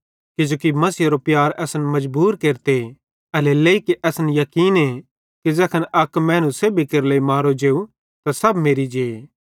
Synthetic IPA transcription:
kɪd͡ʒoːkimɐsiːɾopjaːɾɛːsənmɐd͡ʒbuːɾkeːɾt̪e | ɐleleikeʔɛːsnjɐkiːne | kid͡ʒɛːkʰənɐkmɛːnũseːbikɐɾleimaːɾod͡ʒeːu | t̪asɐbmeːɾid͡ʒeːe

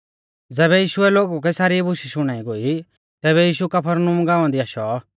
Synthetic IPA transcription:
d͡zɛːβɛjiːʃʊɛloːɡukɛsaːɾiɛbʊʃiʃʊɽ̃aːiɡoːi | t̪ɛːβɛjiːʃukɐpʰəɾnʊmɡaːãnd̪iaːʃɔ

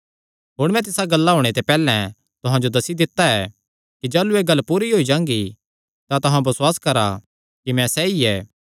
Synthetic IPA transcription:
ɦoːɽmɛ̃t̪̬ɪsaɡɐlːaɦoːɽ̃et̪epɛːlɛ̃ | t̪ʊɦãd͡ʒod̪ɐsid̪ɪt̪ːaɛ | kid͡ʒaːlueːɡɐlːpuːɾiɦoːid͡ʒãːŋɡi | t̪at̪ʊɦãbɐswaːskɐɾa̰ | kimɛ̃sɛiɛː

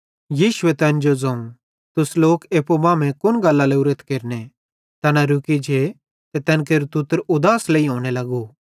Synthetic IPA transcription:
jiːʃʊet̪ɛ̃ːnd͡ʒod͡zɐ̃ːũ | t̪ʊsloːkeːpobãːmɛ̃kʊnɡɐlːaleʊɾət̪keːɾne | t̪ɐnaɾʊkid͡ʒʱe | t̪ɛt̪ɛ̃ːnk̬eːɾut̪ʊt̪əɾʊd̪aːsleiɦoːɽ̃elɐɡo

